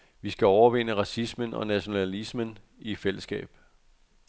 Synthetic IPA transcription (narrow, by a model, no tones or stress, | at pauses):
ʋisɡ̥æɒʊɐʋe̝n̰əʁɑ̈sismənɒ̽næɕo̝nælismən | ifel̰əsɡ̥ɛ̰ːb̥